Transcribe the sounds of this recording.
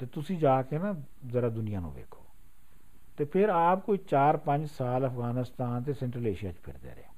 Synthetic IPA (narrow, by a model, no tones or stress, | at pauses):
t̪eːt̪ʊsĩːd͡ʒaːkena | zəɾaːd̪ʊnɪjaːnṵ̃ːʋḛːkʰo̰ː | t̪eːpʰɪɾaːp̚koːiːt͡ʃaːɾpə̃ɲd͡ʒsaːləfʰɣaːnɪst̪aːnt̪̬eːsɛ̃ːɳʈɾəleːʃija̰ːt͡ʃpʰɪ̰ɾd̪ḛːɾḛː